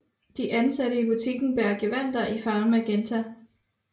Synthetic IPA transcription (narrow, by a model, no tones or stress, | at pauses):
d̥iʔænsæɾəib̥ut͡sʰiɡ̥n̩b̥æɐɡ̥e̝ʋæn̰d̥ɐʔifɑ̈ːnmæɡ̥ent͡sʰæ